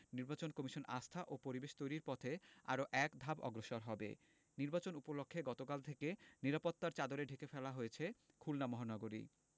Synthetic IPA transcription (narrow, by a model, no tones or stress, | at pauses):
niɾbat͡ɕonkɔmiʃonast̪ʰaʔopoɾibeʃt̪ojɾiɾpɔt̪ʰea̰ɾoʔɛkd̪ʱabɔ̰ɡɾoʃoɾɦɔbḛ | niɾbat͡ɕonupolokʰːeɡɔt̪okalt̪ʰekeniɾapot̪ːaɾt͡ɕad̪oɾeɖʱekefɛlaɦojet͡ɕʰe | kʰulnamɔɦanɔɡoɾḭ